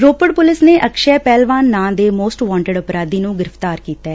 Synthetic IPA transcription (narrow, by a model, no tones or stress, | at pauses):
ɾoːpəɽpʊlɪsneːʔəkʃɛːpɛːlʋaːnːãːd̪eːmoːsʈʋãːɳʈəɖʊpɾaːd̪iːnũːɡɪɾəft̪aːɾkiːt̪ɛː